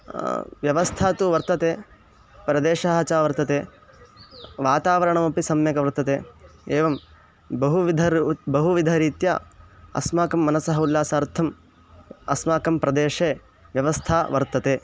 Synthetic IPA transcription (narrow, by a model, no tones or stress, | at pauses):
ʋjɐʋɐst̪ʰaːt̪uʋɐɾt̪ɐt̪eː | pɾɐd̪eːʂɐɦɐt͡ʃaːʋɐɾt̪ɐt̪eː | ʋaːt̪aːʋɐɾɐɳɐmɐpisɐmjɐkɐʋɐɾt̪ɐt̪eːeːʋɐm | bɐɦuʋid̪ʱɐbɐɦuʋid̪ʱɐɾiːt̪ja̰ːɐ̰smaːkɐmːɐnɐsɐɦɐulːaːsaːɾt̪ʰɐm | ɐsmaːkɐmpɾɐd̪eːʂeː | ʋjɐʋɐst̪ʰaːʋɐɾt̪ɐt̪eː